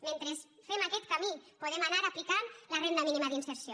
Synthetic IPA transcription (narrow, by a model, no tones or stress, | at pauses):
ment̪ɾesfemakɛt̪kamipoðemanaɾaplikanlarend̪aminimaðinseɾsjo